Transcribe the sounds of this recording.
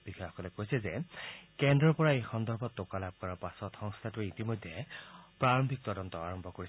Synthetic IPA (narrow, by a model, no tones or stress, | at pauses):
b̥ixɔaxɔ̥kɔlɛkojsɛzekendɹɔɹpɔɹaejxɔnd̪ɔɹbʱɔtːokalab̚kɔɹaɹpasɔtxɔŋst̪ʰatuitimojd̪ʱːepɹaɹɔmbʱik̚t̪ɔdɔnt̪ɔa̰ɹɔmbʱɔkoɹi